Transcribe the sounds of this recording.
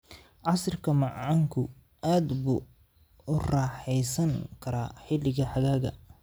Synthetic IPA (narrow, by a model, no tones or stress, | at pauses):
ʕɑsrkʰɐmɑʕɑŋkʰʊ | aːd̪buː | ʊrɑːħɛjsɐŋkʰɐɾaːħɪlɪɣɐħɑɣaːɣɐ̰